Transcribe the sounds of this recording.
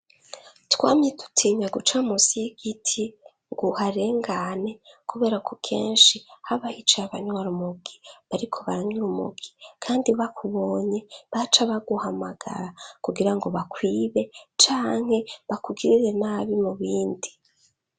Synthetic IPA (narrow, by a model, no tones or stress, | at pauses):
twaːmitu̥tʰiɲaɡut͡ʃamusiɡ̥itʰi | ŋɡuhaɾe̞ːŋɡanekuβe̞ːɾakʰokʰe̞̰ːnʃihaβahit͡ʃeaβaɲwaɾumuɡiβaɾikʰo̞βaɾaɲuɾumṵɡi̥kʰaːndiβakʰuβo̞ːɲe̞βat͡ʃaβaɡuhamaɡ̥a̰ɾakuɡiɾaŋɡo̞βakwiːβe̞t͡ʃaːŋ̥he̞βakuɡiɾiɾe̞naβimuβiːndi